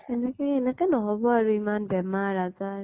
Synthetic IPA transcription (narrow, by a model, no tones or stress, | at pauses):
ɛnɛkɛɛnɛkɛnɔɦɔbɔaɹuimanbɛmaɾaza